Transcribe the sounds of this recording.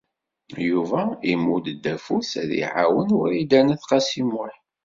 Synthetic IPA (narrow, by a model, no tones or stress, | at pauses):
juvæimːud̪d̪ːæfusæðḭʕa̰wənwʊɾid̪ænæθqɑsimʊħ